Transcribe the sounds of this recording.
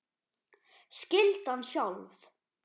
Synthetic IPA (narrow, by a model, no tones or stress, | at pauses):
scɪlt̪anːsjawlv